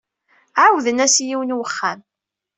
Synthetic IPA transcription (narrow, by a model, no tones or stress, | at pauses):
ʕawðənæsjiwənwəχːæn